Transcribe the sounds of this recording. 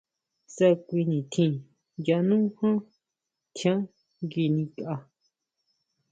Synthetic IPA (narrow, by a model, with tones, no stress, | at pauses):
sa˦kʷi˧nĩ˨t̪ʰĩ˧ | ja˧nũ˦hã˦ | t̪ʰjã˦ | ɡi˧nĩ˧ka˧